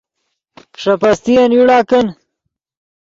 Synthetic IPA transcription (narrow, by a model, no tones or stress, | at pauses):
kʂɐpɐst̪ijɐnjuɽaːkɐn